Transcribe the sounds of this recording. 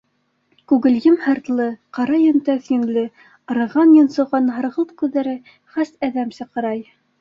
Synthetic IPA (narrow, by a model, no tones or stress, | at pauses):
kʉɡɘ̆ljɘmhɑ̆ɾt̪lˠɤqɑɾɑjɵ̆nt̪æθjɘ̆nlɘ | ɤ̆ɾɤ̆ʁɑnjɤ̆nsɤ̆ʁɑnɦɤ̆ɾʁɤ̆lˠt̪kʉðːæɾɘ | χæsæðæmsɤ̆qɤ̆ɾɑj